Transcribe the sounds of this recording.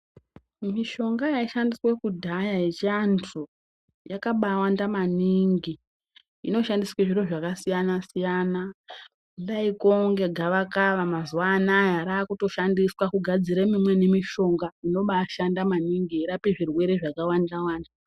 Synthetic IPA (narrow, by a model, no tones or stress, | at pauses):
miʃo̞ŋɡajaiʃandiswekudʱajajet͡ʃantʰu | jakaɓawandamaniŋɡi | ḭno̞ʃandisweʐiɾo̞ʐakasijanasijana | laikoŋɡe̞ɡʱaʋakaʋamazuwaːnajaɾaːkuto̞ʃandiswakuɡʱad͡ziɾemimwe̞nemiʃo̞ŋɡaino̞ɓaʃandamaniŋɡieɾapeʐirwe̞ɾe̞ʐakawandawaːnda